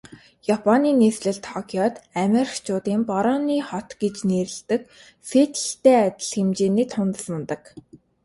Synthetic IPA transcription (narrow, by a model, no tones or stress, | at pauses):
japʰɔniːnesɮɘ̆ɮt̪ʰɔkʰiɔt̪æmʲerxt͡ɕʰʊːt̪iːmpɔɾɔniːχɔt̪ɡet͡ɕneːɾɘ̆ɮt̪ɘ̆k | fet̪ɬt̪eːæt̪ʲɪ̆ɮxemt͡ɕeːniːt̪ʰʊnt̪ə̆smə̆nt̪ə̆k